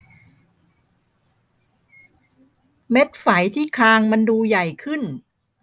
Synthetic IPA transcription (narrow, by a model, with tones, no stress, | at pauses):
me˦˥t̪̚fa˩˦jt̪ʰiː˥˩kʰaː˧ŋma˧nduː˧ja˨˩jkʰɯ˥˩n